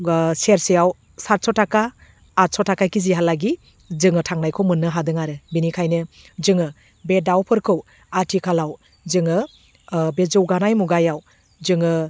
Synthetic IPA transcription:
seɾsijaw | saɾ̚sɔtakaː | ɾ̚sɔtʰakakiziɦalaɡi | zɯŋɯtʰaŋnajkʰɔwmɯnːɯɦadɯŋaɾɯbinikʰajnɯ | zɯŋɯ | bedawpʰɯɾkʰɯw | atʰikʰalaw | zɯŋɯ | bezɯwɡanajmuɡajaw | zɯŋɯ

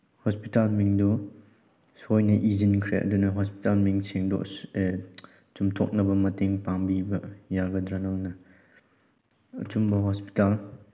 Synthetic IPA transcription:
hɔspitalmiŋdɔ | sɔjnɐʔizinkʰɾeʔɐ̰dunɐɦɔspi̥talmiŋsʰiŋdɔ̰ | t͡ʃumtʰɔ̰k̚nɐbɐmɐteŋpaŋbibɐjaɡɐdɾanaŋnɐ | ɐ̰t͡ʃumbɐɦɔspi̥tal

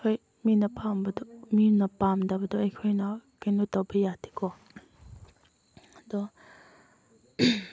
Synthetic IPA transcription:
kʰoj | minɐpʰambɐdɔminɐpamdabɐduɐjkʰojnɐkajnutawbɐjatʰi̥kʰɔ | ɐdɔ

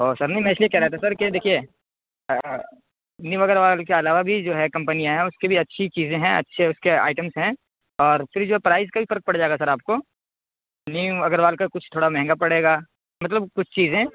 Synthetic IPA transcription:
ɦoːsɐɾnɐɦĩmɛ̃ɪsliekɛɦɾɛɦt̪asɐɾkid̪eːkʰie | niʋɐɡəɾʋaːlkeɐlaːʋabʱid͡ʒoːɦɛkɐ̃mpənijãɦɛ̃ʊskebʱiɐtːʃʰit͡ʃiːzẽɦɛ̃ɐ̰tːʃʰeʊskea̰ːɪʈəmsɦɛ̃ | ɔːɾfʰɪɾd͡ʒoːɦɛpɾaːɪzkabʱifɐɾk̚pɐɽd͡ʒaːeɡasɐɾaːp̚ko | niʋɐɡəɾʋaːlkakʊt͡ʃʰt̪ʰoːɽamɛɦɛ̃ŋɡapɐɽeːɡaː | mɐt̪̬ləbkʊt͡ʃʰt͡ʃiːzẽ

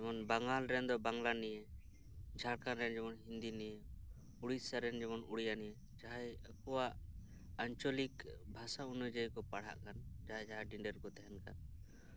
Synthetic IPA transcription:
d͡ʒɛmɔnbaŋalɾɛnd̪ɔbaŋlanɛjɛ | d͡ʒʱaɽkanɾɛnd͡ʒɛmɔnɦind̪inɛje | uɽisaɾɛnd͡ʒɛmɔnuɽijanijɛ | d͡ʒaɦajəkɔwaʔ | aɲt͡ʃɔlikbʱasaunad͡ʒəjkɔpaɽ̤a̰ʔkand͡ʒaɦajd͡ʒaɦaɖiɳɖɛɾkɔt̪ɛɦɛnka̰n

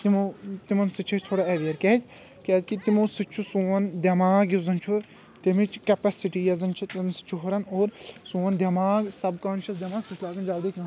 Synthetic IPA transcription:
t̪imot̪imɐnsɨt͡ʃʰɐt͡ʃʰt̪ʰoːɽaeʋijɐɾkɛːzʲ | kɛːzʲkit̪imoːsɨt͡ʃʰusuɐnd̪ʲɐmaːɡjuzɐnt͡ʃʰu | t̪ɐmit͡ʃkɐpɛsiʈiːjɐzɐnt͡ʃʰit̪nsɨ̥t͡ʃʰuɦuɾɐnoːɾsuːɐnd̪ʲɐmaːɡsɐbkaːnʃɐsd̪jɐmaːɡsut͡ʃʰlaːɡɐnd͡ʒaːld̪iknɐ̃

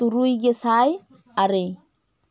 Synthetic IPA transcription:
t̪uɾujɡesaj | aɾej

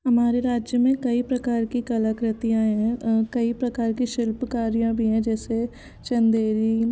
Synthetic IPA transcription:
ɦɐmaːɾeɾaːd͡ʒjəmẽkɐipɾɐkaːɾkikɐləkɾət̪ijãɦɛ̃kɐipɾɐkaːɾkiʃɪlpkaːɾijãbʱiɦɛ̃d͡ʒɛːse | t͡ʃɐ̃nd̪eːɾi

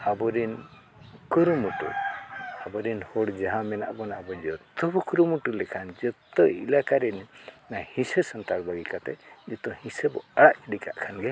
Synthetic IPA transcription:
abɔɾin | kuɾumuʈṵabɔɾinhɔɽd͡ʒaɦãmɛna̰ʔbɔnaʔbɔd͡ʒɔt̪ɔbɔkuɾumuʈulɛkʰand͡ʒɔt̪ɔḭlakaɾɛnnahĩsesɔnt̪aɽbaɡikat̪ɛ̰d͡ʒɔt̪ɔhĩsebɔ̰aɽaʔkiɽikaʔkʰanɡɛ

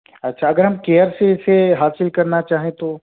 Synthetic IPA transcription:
ɐtːʃʰaɐɡəɾɦɐmkeːjəɾseɪseɦaːsɪlkɐɾnat͡ʃaːɦẽt̪o

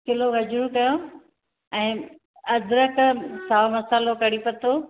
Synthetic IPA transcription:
kʰɪloɣɐd͡ʑɾukɐjo | ɛ̃ː | ɐd̪ʱɾəksaːmɐsaːlokɐɽipɐt̪oː

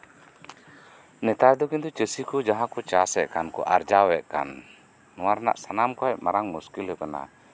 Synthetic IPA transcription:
nɛt̪ad̪ɔkint̪ut͡ʃəsikud͡ʒaɦãkut͡ʃasɛʔkankɔ̰ʔaɾd͡ʒawɛʔka̰nː | uaɾna̰ʔsanamkuaɛʔmaɾaŋmuskilɛkəna̰

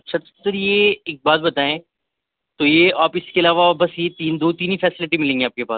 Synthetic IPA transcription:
ɐtːʃʰat̪sɐɾjeeːk̚baːt̪bɐt̪aːẽː | t̪ojeaːpɪskeɐlaːʋabɐsjet̪iːnd̪oːt̪iːnifɛːsɪlɪʈimɪlẽːŋɡẽaːp̚kepa̰ːs

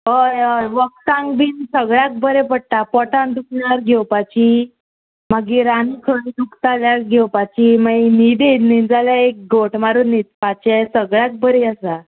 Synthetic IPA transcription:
ɦəjəjʋək̚t̪ãŋɡbinsəɡɭak̚bʱəɾepəɽ̚t̪apɔʈãnd̪ukɳaɾɡʱewpat͡ɕi | maɡiɾanikʰənd̪ukt̪aljaɡʱewpat͡ɕimainid̪enid͡zaljaek̚ɡoʈmaɾunit͡spat͡ɕesəɡɭjak̚bʱəɾeasa

